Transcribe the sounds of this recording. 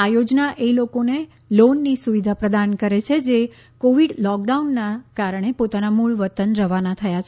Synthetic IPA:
ajod͡ʒnaʔelokone | lonːisuʋid̪ʱapɾəd̪ankəɾet͡ʃʰed͡ʒe | koʋiɖlɔk̚ɖaunːakaɾəɳ̃epot̪anamuɭʋət̪ənɾəʋanat̪ʰəjat͡ʃʰe

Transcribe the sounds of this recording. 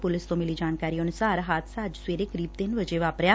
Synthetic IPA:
pʊlɪst̪õːmɪliːd͡ʒaːnkaːɾiːonʊsaːɾɦaːt̪ʰsaːd͡ʒsʋeːɾeːkəɾiːb̚t̪ɪnʋəd͡ʒeːʋaːpɾjaː

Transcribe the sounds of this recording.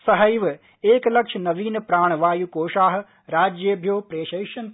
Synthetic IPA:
sɐɦɐjʋ | eːklɐkʃʰnɐʋiːnpɾaːɳ̃ʋaːjukoːʃaːɦ | ɾaːd͡ʒjebʱjoːpɾeːʃɐːʃɐn

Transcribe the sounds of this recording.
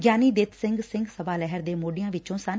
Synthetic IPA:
ɡjaːniːd̪eːt̪sɪ̃ŋɡsɪ̃ŋɡsəbaːlɛɦəɾd̪eːmoːɖɪjãːʋɪt͡ʃõːsən

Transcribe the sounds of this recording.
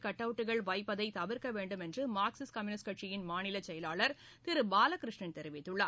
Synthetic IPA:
kɐʈːɐʋɯʈːɯɣɐɭʋɐɪpːɐðɐɪt̪ɐʋɪɾkɐʋeːɳɖɯmɛndrɯmaːksɪskɐmjunɪskɐʈt͡ʃɪjɪnmaːnɪlɐt͡ʃɛjɐlaːɭɐɾ | t̪ɪɾɯbaːlɐkɪɾɪʂɳɐnt̪ɛɾɪʋɪt̪ːɯɭːɐ

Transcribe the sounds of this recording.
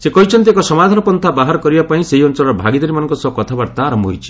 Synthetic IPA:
sekɔɦit͡ʃʰɔnt̪iekɔsɔmad̪ʱaɾɔpɔnt̪ʰabaɦaɾɔkɔɾibapaĩseɦiɔnt͡ʃɔlɔɾɔbʱaɡid̪ɔɾimanɔŋkɔsɔkɔt̪ʰabaɾt̪aːɾɔmbɔɦojt͡ʃʰi̥

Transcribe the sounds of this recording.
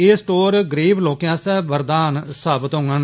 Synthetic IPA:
eːsʈoːɾɡɾeːʋloːkjãːsɛːʋəɾd̪aːnsaːbət̪ɦõːŋɡãːn

